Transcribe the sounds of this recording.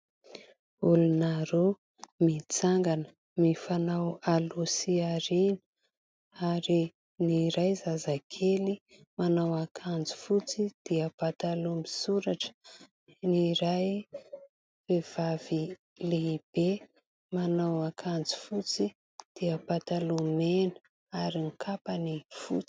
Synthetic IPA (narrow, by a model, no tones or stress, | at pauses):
ulunaɾo | mit͡saŋɡanə | mifanawalusiaɾinə̥ | aɾi | niɾajzazakʰeli | manawakʰand͡zi̥fut͡sid̪̥iapat̪alumisuɾaʈ͡ʂə̥ | niɾaj | vev̥av̥i | leib̥e | manawakʰand͡zi̥fut͡si | d̪̥iapat̪alumenə | aɾiŋkʰapanifṵt͡si̥